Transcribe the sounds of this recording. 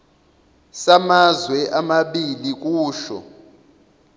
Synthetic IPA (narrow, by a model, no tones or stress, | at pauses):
samazwɛʔamaɓilik̬ʼuːʃɔ̰